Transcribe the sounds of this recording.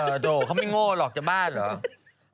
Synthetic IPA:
əː˨˩doː˨˩kʰa˥˩wma˥˩jŋoː˧˩lɔː˨˩k̚t͡ɕaː˨˩baː˥˩nlɔː˩˦

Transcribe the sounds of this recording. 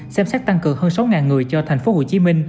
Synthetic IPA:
sɛ˧msɛ˦˥k̚t̪a˧ŋkɨ˨˩əŋhəː˧nsa˨˦wŋaː˨˩nŋɨ˨˩əjt͡ɕɔ˧t̪ʰɛ˨˩jŋ̟fo˨˦ho˧˩t͡ɕi˨˦mï˧ŋ̟

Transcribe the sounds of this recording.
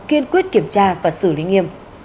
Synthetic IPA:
ki˧ənkwi˦˥ət̚ki˧˩əmt͡ɕaː˧vaː˨˩sɨ̰˧˩lḭ˨˧˦ŋi˧əm

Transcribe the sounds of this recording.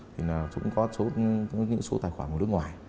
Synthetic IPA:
t̪ʰi˨˩naː˨˩wzʊ̰˧˥ŋ͡mkɔ˨˦so˨˦ɲɨ̰˧˥ŋso˨˦t̪aː˨˩jxwaː˧˩ko˨˩nɨ˦˥kŋwaː˨˩j

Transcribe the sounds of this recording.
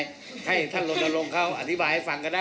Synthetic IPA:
j | ha˥˩jt̪ʰa˥˩nlo˧t̪̚ʔa˧lo˧ŋkʰa˦˥˩wa̰˧t̪ʰi˦˥baː˧jha˥˩fa˧˦ŋka˧ndaː˥˩

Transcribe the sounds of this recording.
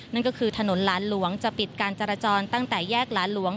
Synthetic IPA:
na˥˩nkɔː˥˩kʰɯː˧t̪ʰa˧no˩˦nlaː˩˦˥nlu˩˦əŋt͡ɕa˨˩pi˨˩t̪̚kaː˧nt͡ɕaː˧ɾaː˧t͡ɕɔː˧nt̪a˥˩ŋt̪ɛː˨˩jɛː˥˩k̚laː˨˦˥nlu˦əŋ

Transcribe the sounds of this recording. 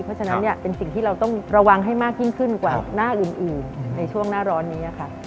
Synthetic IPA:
pʰɔ˦˥t͡ɕʰa˧na˦˥nːi˥˩ɐpe˧nsi˨˩ŋt̪ʰiː˥ɾa˧wt̪ɔ˥˩ŋɾa˧wa˧ŋɦa˥˩jmaː˥˩k̚ji˥˩nkʰɯ˥˩nkwaː˨˩naː˥˩ʔɯː˨˩nʔɯː˨˩nːa˧jt͡ɕʰu˥˩əŋnaː˥˩ɾɔː˦˥nːiː˦˥ʔa˨˩kʰa˦˥˩

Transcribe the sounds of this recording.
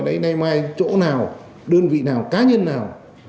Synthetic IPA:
ɗə˨˧˦jna˧jmaː˧jt͡ɕo̰˧˥naː˨˩w | ɗəː˧nvḭ˧˨naː˨˩wkaː˨˦ɲə˧nːaː˨˩w

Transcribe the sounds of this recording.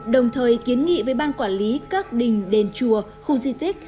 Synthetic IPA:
ɗə˨˩wŋ͡mt̪ʰəː˨˩jki˨˦ənŋḭ˧˨vəː˨˦jɓaː˧nkwaː˧˩nli˨˦kaː˦˥k̚ɗï˨˩ŋ̟ɗe˨˩nt͡ɕu˨˩ə | xu˧zi˧t̪ï˦˥k̟̚

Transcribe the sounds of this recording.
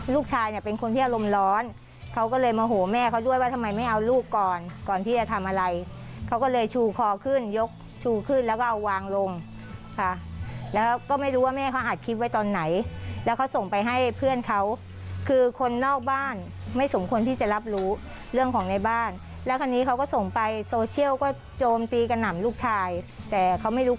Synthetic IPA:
luː˥˩k̚t͡ɕʰaː˧jni˧˩pe˧nkʰo˧nt̪ʰiː˥˩ʔa˧ɾo˧mlɔː˦˥n | kʰa˦˥wkɔː˥˩lɤː˧jmɔː˧ɦoː˩˦mɛː˥˩kʰa˦˥wdu˥˩əjwaː˥˩t̪ʰa˧mːa˧jma˥˩jʔa˧wluː˥˩kːɔː˨˩nkɔː˨˩nt̪ʰiː˥˩t͡ɕa˨˩t̪ʰa˧mʔa˧ɾa˧j | kʰa˦˥wkɔː˥˩lɤː˧jt͡ɕʰuː˧kʰɔː˧kʰɯ˥˩njo˦˥k̚ | t͡ɕʰuː˧kʰɯ˥˩nlɛː˦˥kɔː˥˩ʔa˧wwaː˧ŋlo˧ŋ | kʰa˦˥˩lɛː˦˥wkɔː˥˩ma˥˩jɾuː˦˥waː˥˩mɛː˥˩kʰa˦˥wʔaː˨˩t̪̚kʰi˦˥t̪̚wa˦˥jt̪ɔː˧nːa˩˦jlɛ˦˥wkʰa˦˥wso˨˩ŋpa˧jɦa˥˩jpʰɯ˥˩ənkʰa˦˥w | kʰɯː˧kʰo˧nːɔː˥˩k̚baː˥˩n | ma˥˩jso˩˦mkʰo˧nt̪ʰiː˥˩t͡ɕa˨˩la˦˥p̬̚ɾuː˦˥ | ɾɯ˥˩əŋkʰɔː˩˦ŋna˧jbaː˥˩n | lɛː˦˥wkʰa˧nːiː˦˥kʰa˦˥wkɔː˥˩so˨˩ŋpa˧jsoː˧t͡ɕʰi˥˩əwkɔː˥˩ | t͡ɕoː˧mt̪iː˧ka˧nːa˨˩˦mluː˥˩k̚t͡ɕʰaː˧jt̪ɛː˨˩kʰa˦˥wma˥˩jɾuː˦˥

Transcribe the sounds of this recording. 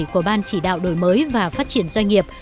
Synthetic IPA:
ku˧˩əɓaː˧nt͡ɕi˧˩ɗa̰ː˧˨wɗo˧˩jməː˨˦jvaː˨˩faː˦˥t̚t͡ɕi˧˩ənzwə˧ŋ̟ŋi˨˩əp̚

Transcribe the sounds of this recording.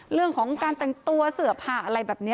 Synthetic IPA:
ɾɯ˥˩əŋkʰɔː˩˦ŋkaː˧nt̪ɛ˨˩ŋt̪u˧ɐsɯ˨˩˦ɐpʰaː˨˩ʔa˧ɾa˧jbɛː˨˩p̚ni˦˥

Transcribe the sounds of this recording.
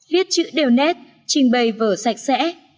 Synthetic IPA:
vi˦˥ət̚t͡ɕɨ̰˧˥ɗe˨˩wnɛ˦˥t̚ | t͡ɕï˨˩ŋ̟ɓə˨˩jvəː˧˩sa˨˩jk̟̚sɛ̰˧˥

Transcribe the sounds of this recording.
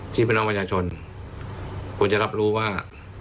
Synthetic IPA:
t̪ʰiː˥˩pe˧nʔa˧pɾa˧t͡ɕʰaː˧t͡ɕʰo˧n | kʰu˧nt͡ɕa˧˨ɾa˦˥p̚ɾuː˦˥waː˥˩

